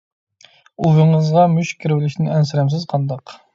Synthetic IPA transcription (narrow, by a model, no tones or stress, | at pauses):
uvəɴəzʁɑmyʃkʲʰiɾwɪlɪʃnɪɛnsɪɾɛmsɪzqʰɑnd̪ɑq